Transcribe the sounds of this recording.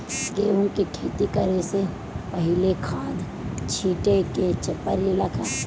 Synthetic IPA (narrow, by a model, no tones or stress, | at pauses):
keʊnkikʰeːt̪ikəɾese | pɐɦɪlekʰãːd̪ | t͡ʃʰiːʈeket͡ʃɪpːəɾilakʰɛː